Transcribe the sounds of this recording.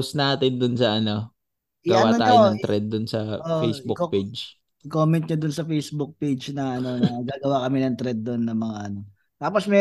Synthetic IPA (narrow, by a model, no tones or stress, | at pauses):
snaːt̪ɪnd̪ʊnsɐʔɐno̞ | jɡɐwaːɐaːjʊnɐŋt̪ɾɛd̪̚ːʊnsɐoʔfejsbʊped͡ʒ | ɪkoːmɛnt̪̚ɲɐd̪ʊnsɐfejsbʊk̚pejd͡ʒnɐʔɐno̞nɐɡaːɡɐwakɐmɪnɐŋt̪ɾɛd̪̚ːonːɐŋmɐŋaʔɐno̞ | t̪aːposmɛ